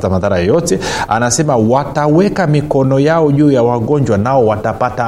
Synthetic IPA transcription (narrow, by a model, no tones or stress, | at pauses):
tamaðaɾajɔjɔtɛa̰nasɛmawatawɛkamikɔnɔjaɔʄuːjawaɠɔɲd͡ʒwanaɔwatapata